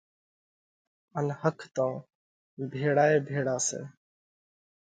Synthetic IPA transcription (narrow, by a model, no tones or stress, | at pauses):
ənhəkʰt̪ãː | bʱeːɽaːeːbʱeːɽaːsḛː